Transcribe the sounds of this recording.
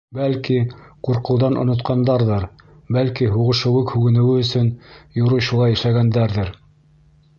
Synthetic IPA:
bælkiquɾqɤ̆wðɑnʔŏ̰nŏt̪qɑnd̪ɑɾðɤɾ | bælkiɦuʁɤ̆ʃɤ̆wɘkhʉɡɘ̆nɘ̆wɘɵ̆sɵnjŏɾuɕulˠɑjæʃæɡænd̪æɾðɘɾ

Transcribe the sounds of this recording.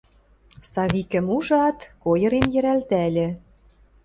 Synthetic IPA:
sɑβikə̆muʒɑt̪kojɤ̆ɾemjɘ̆ɾælt̪ælʲĕ

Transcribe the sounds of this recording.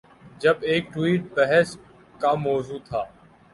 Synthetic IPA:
d͡ʒəbeːk̚ʈwiːʈ̚bəɦɛs | kaːmɔːzuːt̪ʰaː

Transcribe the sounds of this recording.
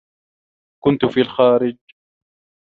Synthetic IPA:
kʊnt̪ʊfiːalxaːɾɪd͡ʒ

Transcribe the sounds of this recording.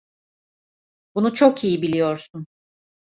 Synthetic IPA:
bunut͡ʃʰokʰijibilʲijo̞ɾsun

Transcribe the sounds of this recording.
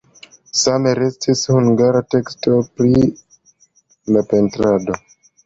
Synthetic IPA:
same̞ɾe̞stʰishuŋɡaɾate̞kstʰo̞pɾi | lape̞ntɾado̞

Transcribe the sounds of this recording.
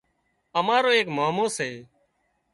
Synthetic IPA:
əmaːɾoːeːkmaːmoːseː

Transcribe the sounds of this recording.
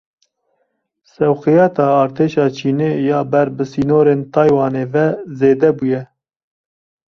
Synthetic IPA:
sɛwxɨjɑːt̪ɑːɑːɾt̪ʰeːʃɑːt͡ʃʰiːneːjɑːbɛɾbɨsiːnoːɾeːnt̪ʰɑːjwɑːneːvɛzeːd̪ɛbujɛ

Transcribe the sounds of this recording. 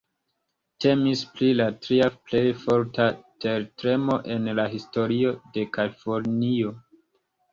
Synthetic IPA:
te̞misplilatɾiaple̞jfo̞ɾtate̞ɾtɾe̞mo̞ʔe̞nlaɦisto̞ɾio̞de̞kalifo̞ɾnio̞

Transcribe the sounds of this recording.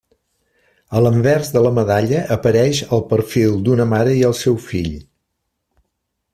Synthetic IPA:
ələmbɛrzðələməðaʎəʔːpəɾɛʃəlˠpəɾfilˠd̪unəmaɾəiəlˠsɛwfḭʎ

